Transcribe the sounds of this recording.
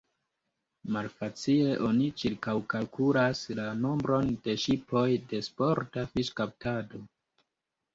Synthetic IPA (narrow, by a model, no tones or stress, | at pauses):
malfat͡sie̞ʔo̞nit͡ʃiɾkawkalkʰulaslano̞mbɾo̞nde̞ʃipʰo̞jde̞spo̞ɾtafiʃkap̚tʰado̞